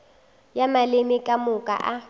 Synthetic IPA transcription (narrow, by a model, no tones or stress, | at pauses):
jamalɪmɪkʼamʊkʼa̰ʔa